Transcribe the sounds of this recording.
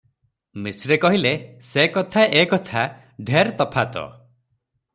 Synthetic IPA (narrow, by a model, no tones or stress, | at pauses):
misɾekɔɦilesekɔt̪ʰaʔekɔt̪ʰa | d̪ʱeɾt̪ɔpʰat̪ɔ̰